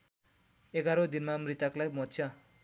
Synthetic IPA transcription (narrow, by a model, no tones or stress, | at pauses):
eɡaɾod̪inmamrit̪aklajmʌt̪t͡sʰjʌ